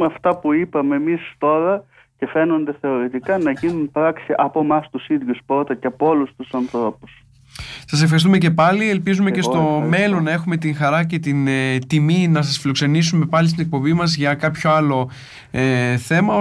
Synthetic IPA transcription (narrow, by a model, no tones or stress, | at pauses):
ɐft̪ɐpuipɐme̞mist̪o̞ɾɐ | ce̞fe̞no̞nd̪e̞θe̞o̞ɾit̪ikɐnɐʝinunpɾɐksiʔɐpomɐst̪usiðʝuspɾo̞t̪ɐceɐpoo̞lust̪usɐnθɾo̞pus | sɐsefxɐɾist̪umece̞pɐlielpizume̞ce̞st̪o̞me̞lo̞nːɐe̞xume̞t̪iŋxɐɾɐce̞t̪int̪iminɐs̬ɐsfilo̞kse̞nisume̞pɐlist̪ine̞k̚po̞bimɐzʝɐkɐpço̞ɐlo̞ | eθe̞mɐo